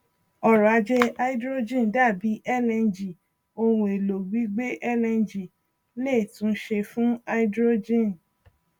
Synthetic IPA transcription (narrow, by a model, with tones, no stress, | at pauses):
ɔ˦˨ɾɔ˨a˧d͡ʒe˦˧a˦i˦dɾo˦d͡ʒĩ˦˨n˨da˦˨bi˨˦ʔɛ˦˨lɛ̃˧nd͡ʒi˨ | o˧wũ˧˨e˨lo˨ɡ͡bi˨˦ɡ͡be˦ʔɛ˦˨lɛ̃˧nd͡ʒi˨ | le˦˨tũ˦ʃe˧fũ˦a˧i˦dɾo˦d͡ʒĩ˦˨n